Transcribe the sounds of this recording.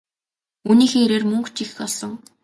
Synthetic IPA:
uniːxeːeɾeːrmɵŋkt͡ɕixxɔsɞ̆ŋ

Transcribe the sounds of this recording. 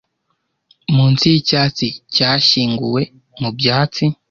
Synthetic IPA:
muːnt͡sicaːt͡sicaːʃiːŋɡṵwe̞ | mubjaːt͡si

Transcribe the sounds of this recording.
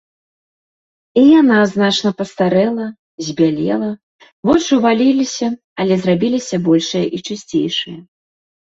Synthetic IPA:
ijanaznat͡ʂnɐpɐst̪aɾɛlˠɐ | zʲbʲalʲɛ̰lˠɐ | vɔt͡ʂɨvalʲilʲisʲɐ | ɐlʲɛzrabʲilʲisʲɐbɔlʲʂɨjɐʔit͡ʂɨsʲt͡sʲḛjʂɨjɐ

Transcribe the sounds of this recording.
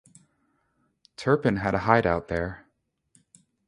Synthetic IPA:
tʰɜ˞pɨ̃nɨɾəhaɪɾaʊt̪̚ðə˞

